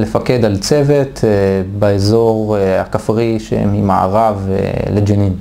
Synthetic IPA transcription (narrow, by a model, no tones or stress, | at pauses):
lefake̞d̪alt͡se̞vet̪beezo̞ʁhakafʁiʃḛmimaa̰ʁav̰led͡ʒenin